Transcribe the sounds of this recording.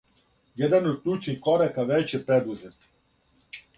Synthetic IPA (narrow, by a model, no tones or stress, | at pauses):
jɛd̪anod̪̚klʲut͡ʃnixkoɾakaʋet͡ʃɛpɾed̪uzet̪